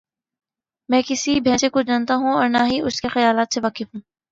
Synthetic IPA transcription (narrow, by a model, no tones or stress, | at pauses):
mɛ̃ːkɪsibʱɛ̃ːsekʊd͡ʒaːnt̪aɦũɔːɾnaɦiʔʊskexɐjaːlaːt̪seʋaːkɪfɦũː